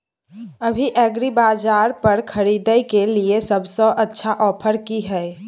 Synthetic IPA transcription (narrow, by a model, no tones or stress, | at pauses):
əbʱiʔɛɡɾibad͡ʒaɾpəɾkʰəɾid̪əjkeliesəbsɔ̃ʔətːʃʰaʔɔːpʰəɾkiɦəe